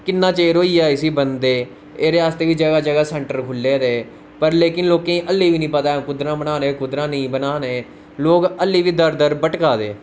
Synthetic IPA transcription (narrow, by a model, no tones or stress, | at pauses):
kɪnːãːt͡ʃeːɾoːiːaːɪsiːbənd̪eː | eːɾeːaːst̪eːʋiːd͡ʒəɡaːd͡ʒəɡaːsɛɳʈəɾkʰʊlːeːd̪eː | pəɾleːkɪnloːkẽːĩːʔəlːiːʋiːnĩːpət̪aːkʊd̪ɾãːbənaːnẽːkʊd̪ɾãːnəĩːbənaːneː | loːɡəlːiːʋiːd̪əɾd̪əɾbəʈkaːd̪ḛː